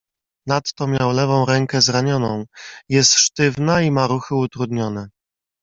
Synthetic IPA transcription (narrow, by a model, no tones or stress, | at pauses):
nat̪ːɔmʲjawlɛvɔ̃w̃ɾɛŋkɛzɾaɲɔnɔ̃w̃jɛst̪ʂt̪ɘvnaimaɾuxɘut̪ɾud̪ɲɔnɛ